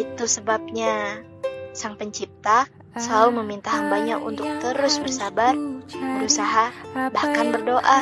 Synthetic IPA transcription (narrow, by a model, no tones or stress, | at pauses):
it̪usəbap̚ɲa | saŋpəɲt͡ʃip̚t̪a | səlauməmint̪aɦambaɲaʔṵnt̪ʊk̚t̪əɾʊsbərsabarbəɾusaɦabahkanbərdoʔa